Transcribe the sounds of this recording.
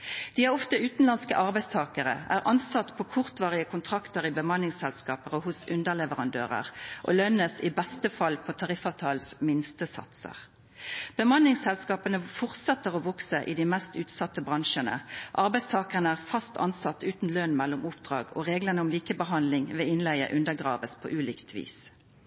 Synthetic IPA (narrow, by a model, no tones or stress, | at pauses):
d̪̥iːæʁɔft̪əʉːt̪n̩lɑnskə̰ʔɑʁbæɪst̪ʰɑːkəʁə̰æ̰ːʁʔɑnsɑt̪ːpʰokʰʊʁt̪ʋɑːʁɪəkʰʊnt̪ʰʁɑkt̪əʁɪbəmɑnːɪŋsɛlskɑːpəʁəhʊsʉnd̪əʁlɛʋəʁɑnd̪ø̰ːʁə̰ʁʔo̰lœnəsɪbɛst̪əfɑlpʰot̪ʰɑʁɪfɑʋt̪ʰɑːlsmɪnst̪əsɑ̰t̪sə̰ʁ | b̥əmɑnːɪŋsɛlskɑːpənəfɔʁt̪sɛt̪ːəʁɔʋɔksəʔɪ̰d̪ɪmɛst̪ʉːt̪sɑt̪ːəbʁɑŋʃənə̰ʔɑʁbæɪst̪ʰɑːkəʁənəæːʁfɑst̪ʰɑ̰nsɑt̪ːʉːt̪n̩løːnmɛlːʊmʊpd̪̥ʁɑ̰ːɡɔ̰ʁeːɡlənəʊmliːkəbəɦɑnd̪lɪŋʋɛɪnlæɪə̰ʔʉnd̪əɡʁɑ̰ːʋəspʰo̰ːʔʉːliːkt̪ʰʋḭːs